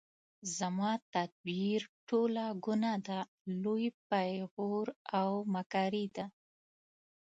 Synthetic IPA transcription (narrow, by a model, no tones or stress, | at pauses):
zamɑt̪ad̪̚biɾʈolaɡʊnad̪a | lojpajɣoɾawmakɑɾid̪a